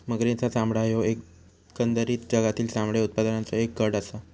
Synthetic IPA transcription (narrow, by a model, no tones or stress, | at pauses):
məɡɾĩt͡sasãmbɭaɦjoek | kənd̪əɾiːt̪d͡ʑəɡat̪iːlsãmbɭeut̪̚pad̪ənãnt͡sɔek̚ɡəɽəsa